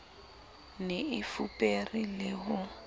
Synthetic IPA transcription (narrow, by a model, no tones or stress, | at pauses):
nɪɪfupʼerilɪɦʊ